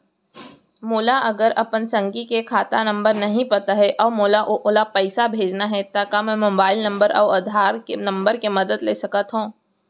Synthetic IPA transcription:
mʊːlaʔɐɡəɾɐpənsɐ̃ŋɡikekʰaːt̪anɐ̃mbəɾnɐɦĩpɐt̪aɦɛʔɔːmoːlaʔoʔʊlapɛɪsabʱeːd͡ʒnaɦɛt̪akamɛ̃ːmoːbaːɪlnɐ̃mbəɾʔɔ̰ːɐd̪ʱaːɾkenɐ̃mbəɾkemɐd̪əd̪leːsɐkət̪ɦõː

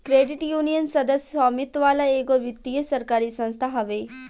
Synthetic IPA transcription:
kɾeːɖɪʈjuːnijənsɐd̪əsɔːmɪt̪ʋaːlaeːkoʋɪt̪ːijəsɐɾkaːɾisɐ̃nst̪ʰaɦɐʋeː

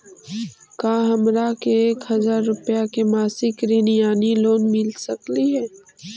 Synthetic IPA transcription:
kaːɦɐmɾakeeːkɦɐzaːɾːʊpjakemaːsɪkɾinijaːniloːnmɪlsɐkliɦɛː

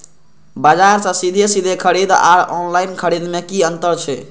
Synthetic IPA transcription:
bəd͡ʒaɾsə̃sid̪ʱesid̪ʱekʰəɾid̪a̰ɾɔnlajnkʰəɾid̪mekiənt̪əɾt͡ʃʰɛ

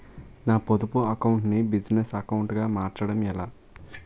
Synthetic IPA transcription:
naːpod̪upuɐkɐwuɳʈnibid͡ʒnesɐkɐwuɳʈɡaːmaːɾt͡ʃɐɽɐmɛlaː

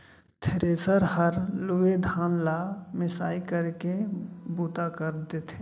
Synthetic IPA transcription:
t̪ʰeɾeːsəɾɦəɾlʊʋed̪ʱaːnlamɪsaːikəɾkebuːt̪akəɾd̪et̪ʰe

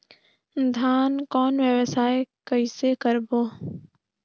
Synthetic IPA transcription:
d̪ʱaːnkɔːnʋjəʋəsaːekəɪsekəɾboː

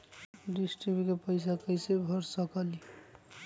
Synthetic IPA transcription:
ɖisʈɾibikepəjsakəjsebʱʌɾsəkali

